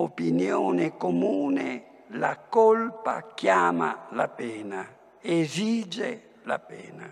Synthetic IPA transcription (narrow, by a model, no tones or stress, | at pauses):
opinjonekomuːne | lakɔlpa̰kjama̰lapɛːna | ezid͡ʒe | la̰pɛːna